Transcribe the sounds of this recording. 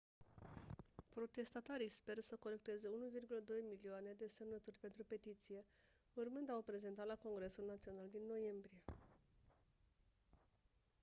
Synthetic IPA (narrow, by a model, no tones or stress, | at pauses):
pɾo̞t̪e̞st̪at̪aɾispe̞rsəko̞le̞kt̪e̞zeunuvirɡuləd̪o̞jmilioane̞d̪e̞se̞mnət̪urʲpe̞nt̪ɾupe̞t̪it̪sije̞ | urmɨnd̪awpɾe̞ze̞nt̪at̪lako̞ŋɡɾe̞sulnat̪sio̞nald̪inːo̞je̞mbɾije̞